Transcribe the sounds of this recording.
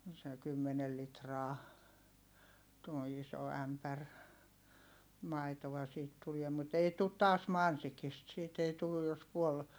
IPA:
se kymːenel litrɑː tuo iso æmpær mɑitoʋɑ siːt tuliɛ mut ei tut tɑːs mɑnsikist siːt ei tulːuj̆ jos puol

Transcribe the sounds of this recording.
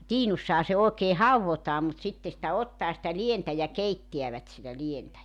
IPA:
tiːnusːɑhɑ se oˑekeː hɑuwʋotɑː mut sitːe sĭtæ otːɑː sĭtæ lientæ jɑ keitːiæʋæt sitæ lientæ

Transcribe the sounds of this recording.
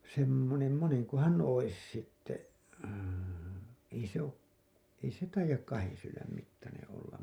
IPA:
semːonem moneŋkohɑn ois sitːe ei se o ei se tɑijɑk kɑhen sylːæm mitːɑnẽː olːɑm

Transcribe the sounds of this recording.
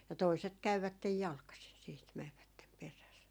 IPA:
jɑ toiset kæyʋætːej jɑlkɑsin siːt mɛʋːætːem peræs

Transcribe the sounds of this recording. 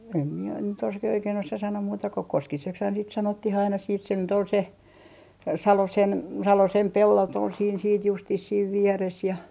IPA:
em mie nyt os ke oikein osɑ sɑnoːm muːtɑ ko koskisekshɑːn sit sɑnotːih ɑinɑ siːt se nyt ol se sɑlosen sɑlosem pelːot ol siːn siːt justis siːʋ ʋieres jɑ

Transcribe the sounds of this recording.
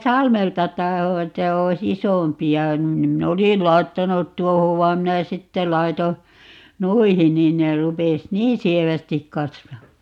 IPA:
sɑlmeltɑ tɑho etːæ ois isompiɑ nim minː olisil lɑi̯tːɑnut tuohoʋ ʋɑim minæ sitːe lɑi̯to nuihin niːn ne rupes niːn sieʋæstik kɑsʋɑː

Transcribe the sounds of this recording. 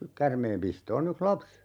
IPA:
kærmeːmpistoːn yks lɑps

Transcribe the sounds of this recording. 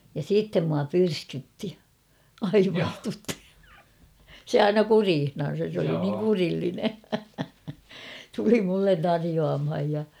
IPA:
jɑ siːtːem muɑ pyrskytːi ɑiʋɑstutːi se ɑinɑ kuriːhnɑn̞sɑs sĕ oli niːŋ kurilːine tuli mulːen tɑrijoɑmhɑj jɑ

